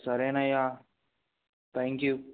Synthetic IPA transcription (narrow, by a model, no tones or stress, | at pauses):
sɐɾeːnajaː | t̪ʰɛ̃ŋkju